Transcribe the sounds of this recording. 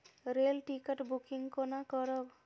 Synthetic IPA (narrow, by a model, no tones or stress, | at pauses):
ɾelʈikaʈbukiŋkonakɔɾɔb